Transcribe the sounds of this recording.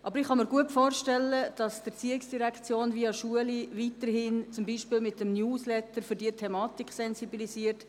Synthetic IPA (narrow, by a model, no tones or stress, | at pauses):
ʔɑbəɾɪχɑməɾɡuətfoːɾʃtɛlːəd̥ɑsd̥ət͡siːɪksd̥iɾækt͡sjoːnʋiɑʃuəliʋitəɾhɪnt͡sʊmbiːʃpɪːlmɪtəmnjuːslɛtəɾfʏɾdiːətʰɛmɑːtikχsɛnsibilisiːəɾt